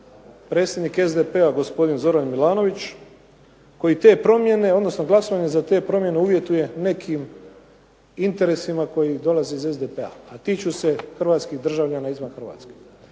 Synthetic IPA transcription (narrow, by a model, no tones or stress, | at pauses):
pɾe̞ːt̪sʲje̞d̪nike̞zd̪epeaɡo̞spo̞d̪inzo̞ɾanmilˠaːno̞ʋit͡ɕ | ko̞jit̪e̞ːpɾo̞mje̞ne̞o̞d̪nosnoɡlˠaso̞ʋaɲe̞zat̪e̞ːpɾo̞mje̞neuːʋje̞t̪uje̞ne̞kʰim | int̪e̞ɾe̞simako̞jid̪o̞laziize̞zd̪epea̰at̪it͡ɕuse̞xr̩ʋaːt̪skiɣd̪r̩ʒaʋʎanaizʋanxr̩ʋa̰t̪ske̥